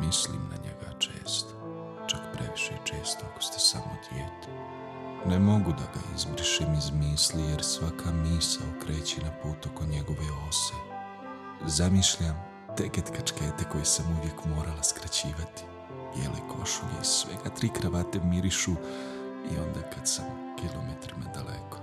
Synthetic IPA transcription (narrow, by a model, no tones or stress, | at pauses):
mislḭmna̰ɲḛɡa̰t͡ʃe̞̰ːst̪o̥ | t͡ʃakpɾeʋiʃḛt͡ʃe̞ːst̪oako̥st̪e̥sa̰mo̰d̪̥jeːt̪e̥ | nemo̞ɡud̪aɡa̰izbɾʃimizmiːslijeɾsʋakʰamiːsa̰okɾe̞ːt͡ɕenapuːt̪okoɲeɡo̞ʋeo̞se | izamiʃʎam | t̪eːket̪kat͡ʃkeːt̪eko̞jesamuvjekmoːɾalaskɾat͡ɕiːʋat̪i̥ | bjḛlḛkʰo̞̰ʃuʎḛsʋḛɡat̪ɾiːkɾaʋat̪emiɾiʃu | io̞̰nd̪aːkad̪sam | kilomet̪ɾimad̪alḛko̥